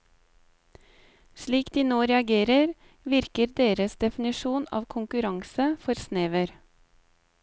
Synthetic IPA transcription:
ʃɭiːkd̪̥iːnoːɾɛɑɡeːɾəɾ | ʋɪɾkəɾd̪eːɾəsd̪ɛfnɪʃuːnɑ̰ːʋkʰʊŋkʉɾɑŋsəfɔɾsneːʋəɾ

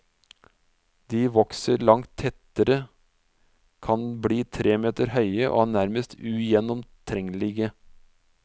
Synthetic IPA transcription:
d̪̥iːʋɔksəɾlɑŋt̪ʰɛt̪əɾə | kʰɑnbɽiːt̪ʰɾeːmeːt̪əɾhœʏəʔo̰ːnæɾməst̪ʰʉjɛnɔmt̪ʰɾɛŋlɪɡə

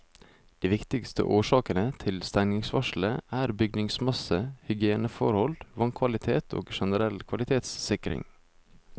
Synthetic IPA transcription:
d̪̥iːʋɪkt̪ɪkst̪ʰə̰ʔoːʂɑːkənət̪ʰɪlst̪æŋnɪŋsʋɑʂl̩əʔæːɾbʏɡ̚nɪŋsmɑsəhʏɡɪeːnəfɔ̰ɾhɔlʋɑŋkʰʋɑlɪt̪ʰeːt̪ʰo̰ːɡʃɛnəɾɛlkʰʋɑlɪt̪ʰeːt̪sːɪkɾɪ̰ŋ

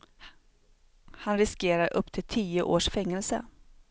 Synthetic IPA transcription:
hanɾɪskeːɾaɾʔɵpːt̪ʰɪlt̪ʰiːʊʔoːʂfɛŋːɛlsə̰

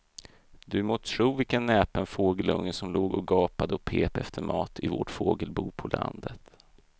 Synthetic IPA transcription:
d̪ɵmot̪ʰʂuːvɪlkənːɛːpənfoːɡəlɵŋːəsɔmloːɡɔɡɑːpad̪əɔpʰeːpɛft̪ʰəɾmɑːt̪ʰɪvo̰ʈfoːɡəlbuːpʰɔlʔa̰nd̪ət̪

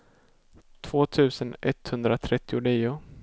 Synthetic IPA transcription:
t̪ʰv̥oːt̪ʰʉ̟ːsənʔɛt̪hɵnd̪ɾat̪ʰɾɛt̪ːɪʊniːʊ

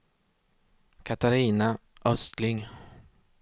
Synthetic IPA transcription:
kʰat̪aɾiːnaʔœst̪lɪŋ

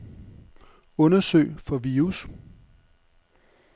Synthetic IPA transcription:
ɔ̽nɐsø̰ɪ̰fɒ̽ʋiːus

